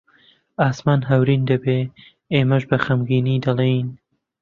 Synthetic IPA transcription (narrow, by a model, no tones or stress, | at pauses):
aːsmaːnɦɐwɾiːnd̪ɐbeː | eːmɐʃbɐxɐmɡiːniːd̪ɐlˠejn